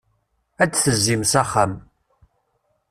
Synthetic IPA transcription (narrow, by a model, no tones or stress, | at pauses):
æt͡sːθəzːimsæχːam